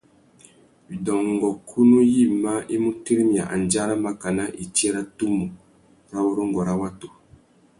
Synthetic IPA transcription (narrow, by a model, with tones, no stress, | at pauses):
i˨dɔ˨ŋ˨ɡɔ˨kʰu˦nu˦ji˦˨ma˦ʔi˦mu˦te˦ɾi˦mi˨a˨ʔa̰˨nd͡ʒa˦ɾa˦ma˦ka˨na˦ʔi˨ti˦ɛ˦ɾa˦tu˦mu˨ | ɾa˦wo˦ɾo˦ŋ˦ɡɔ˨ɾa˦wa˦to˨